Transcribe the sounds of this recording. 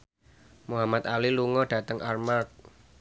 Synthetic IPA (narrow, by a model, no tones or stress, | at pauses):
muɦamat̪aliluŋɔɖ̥a̤t̪əŋʔarmalt̪̚